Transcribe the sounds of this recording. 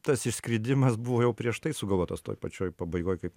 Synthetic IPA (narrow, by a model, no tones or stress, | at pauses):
t̪ɐsɪʃsʲkɾʲɪd̪ʲɪmɐsbuʋoːjɛʊpʲɾʲiɛʃt̪ɐɪsʊɡɐlˠʋoːt̪ɐst̪o̰ːjpɐt͡ʃʲoːjpɐbɐɪɡoːjkɐɪp